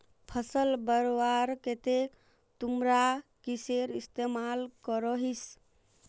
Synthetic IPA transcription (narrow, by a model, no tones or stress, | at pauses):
pʰəsəlbəɾowaɾket̪e | t̪umɾakiseɾist̪emalkəɾəɦis